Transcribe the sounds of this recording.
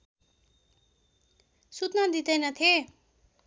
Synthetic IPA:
sut̪nad̪id̪ʌjnʌt̪ʰe

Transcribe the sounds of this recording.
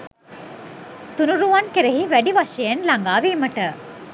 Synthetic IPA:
t̪unuɾuʋɐnkeɾeɦiʋæɖiʋɐʃejenlɐŋɡaːʋiːməʈə

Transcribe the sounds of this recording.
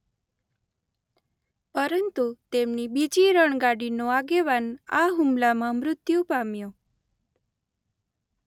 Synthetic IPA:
pəɾənt̪ut̪emnibid͡ʒiɾəɳɡaɽinoaɡeʋanaɦumlamãmɾʊt̪jupamjo

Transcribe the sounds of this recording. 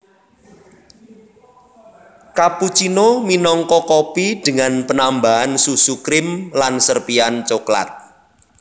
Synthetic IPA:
kaput͡ʃinominɔŋkɔkopid̪̥ə̤ŋanpənambaansusukɾɪmlansərpiant͡ʃokla̰t̪̚

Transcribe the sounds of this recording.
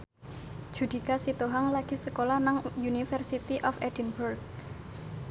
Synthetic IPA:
d̥ʒ̥ṳd̪̥i̤kasit̪oɦaŋlaɡ̥i̤səkolahnaŋjunifərsit̪iʔɔfɛdinburɡ̚

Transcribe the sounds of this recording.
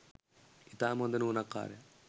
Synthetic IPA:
it̪aːmond̪ɐnuːnɐkːa̰ːɾḛ

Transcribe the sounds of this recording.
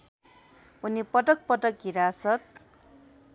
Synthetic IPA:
unipʌʈʌk̚pʌʈʌkɦiɾasʌt̪̚

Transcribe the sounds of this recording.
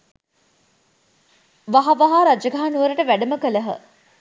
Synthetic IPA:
ʋaɦaʋaɦaːɾad͡ʒəɡaɦanuʋəɾəʈəʋæɖəməkələɦə̰

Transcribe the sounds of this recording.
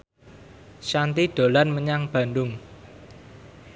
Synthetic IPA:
ʃant̪id̪̥o̤lanməɲaŋb̥ä̤nd̪ʊŋ

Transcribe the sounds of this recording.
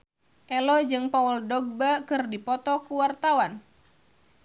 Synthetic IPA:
ʔɛlɔd͡ʒɨŋpauldɔɡ̚bakɨrdipɔt̪ɔkuwart̪awan

